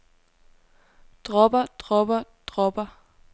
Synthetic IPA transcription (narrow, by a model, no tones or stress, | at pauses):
d̥ʁɔb̥ɐd̥ʁɔb̥ɐd̥ʁɔb̥ɐ